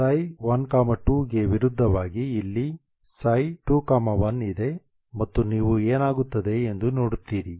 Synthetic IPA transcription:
sɐjʋɐnkaːmɐʈuːɡe̞ʋiɾud̪ʱːɐʋaːɡiːlːi | sɐjʈuːkaːmɐʋɐnid̪e̞ | mɐt̪ːuniːʋueːnaːɡut̪ːɐd̪e̞end̪uno̞ːɽut̪ːiːɾi

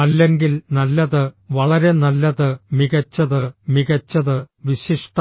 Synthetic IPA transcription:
ɐlːeŋɡilnɐlːɐðɨʋɐɭɐɾe̞nɐlːɐðɨmiɣɐt͡ɕːɐðɨmiɣɐt͡ɕːɐðɨʋiɕiʂʈ

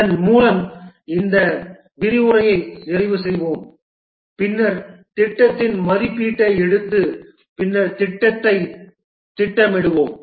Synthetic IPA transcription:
ɐnmuːlɐmɪnd̪ɐ | bɪɾɪʋʊɾɐjɐɪɪrɪʋɯsɛjʋoːm | pɪnːɐɾt̪ɪʈːɐt̪ːɪnmɐɾɪpːiːʈːɐɛɽɯt̪ːɯ | pɪnːɐɾt̪ɪʈːɐt̪ːɐɪ | t̪ɪʈːɐmɛɽɯʋoːm

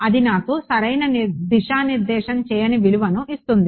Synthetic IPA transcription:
ɐd̪inaːkusɐɾɐjnɐnd̪iʃaːniɾd̪ɛːʃɐmt͡ʃɛːjɐniʋiluʋɐnuʔist̪und̪i

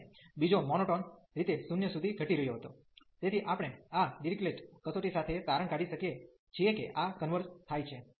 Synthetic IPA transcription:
bid͡ʒomɔnoʈɔn | ɾit̪esunjəsud̪ʱiɡʱəʈiɾəɦjoɦət̪o | t̪et̪ʰiʔapəɽɳ̃eaɖiɾikleʈkəsoʈisat̪ʰet̪aɾəɳkaɽiʃəkie | t͡ʃʰijekeʔakənʋəɾst̪ʰajt͡ʃʰe

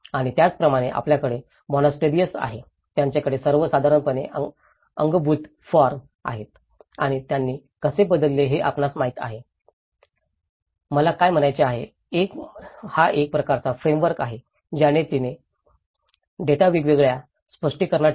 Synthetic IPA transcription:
aɽ̃it̪jat͡spɾəmaɽ̃eʔa̰pljakəɽe | mɔnasʈeɾijəsa̰ɦe | t̪jaɲt͡ɕjakəɽesəɾʋəsad̪ʱaɾəɳpəneə | ə̰ŋɡbuːt̪ | fɔɾm | a̰ɦet̪ | aɽ̃it̪janːiː | kəsebəd̪əlːeɦeʔa̰pnasmaɦit̪a̰ɦe | məlakajm̤ənajt͡ɕeaɦḛ | ekhaʔek̚pɾəkaɾt͡safɾemʋəɾkaɦe | d͡ʑaɽ̃et̪ine | ɖeʈaʋiɡʋeɡɭja | spəʂʈiːkəɾnaʈ

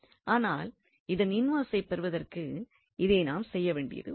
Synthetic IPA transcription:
ʔaːnaːl | ɪðɐnɪnʋaːsɐɪpɛɾɯʋɐðɐrkɯ | ɪðeːnaːmsɛjːɐʋeːɳɖɪ̰jɐ̰ðɯ̰

